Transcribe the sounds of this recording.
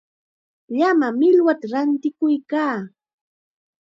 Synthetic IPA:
ʎamamɪlwat̪aɾant̪ɪkʊjkaː

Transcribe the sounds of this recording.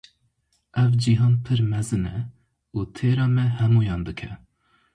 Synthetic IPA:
ɛvd͡ʒiɦɑːnpʰɨɾmɛzɨnɛ | uːt̪ʰeːɾɑːmɛhɛmuːjɑːnd̪ɨkʰɛ

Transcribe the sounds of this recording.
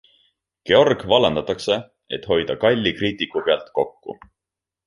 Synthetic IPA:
ke̞o̞rɡ̥vɑlend̪ɑt̪ːˑɑkse̞ | e̞t̪ho̞jd̪̥ɑkɑlʲːikriːt̪ikːˑupeɑlt̪ko̞kːṵ

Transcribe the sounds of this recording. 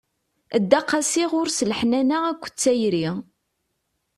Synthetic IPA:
əd̪ːɑqːɑsiʁʊɾsəlħnænæækʷːə̥t͡sːæjɾi

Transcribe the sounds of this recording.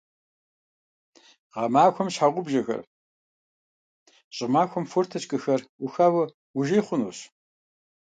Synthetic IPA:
ʁɐmaːxʷɔmɕħaʁʷʊbʒɐxɐ̰r | ɕʼɪmaːxʷɔmfʊrtʰɐt͡ɕʼkʼɨxɐrʔʊxaːwɨ | ʊʒeːjχʷʊnṵːɕ

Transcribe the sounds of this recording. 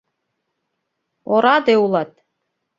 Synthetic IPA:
oɾɑd̪eulˠɑt̪̚

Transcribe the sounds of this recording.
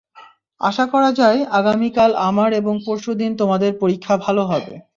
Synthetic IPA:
a̰ʃakɔɾad͡ʑaeaɡamikalamaɾeboŋpoɾʃod̪int̪omad̪eɾpoɾikʰːabʱaloɦɔbḛ

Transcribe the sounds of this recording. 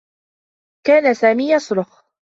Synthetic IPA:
kaːnasaːmiːjɑsˤɾʊx

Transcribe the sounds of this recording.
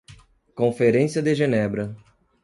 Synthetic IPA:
kõfeɾẽsiɐd̪eʒenɛbɾɐ

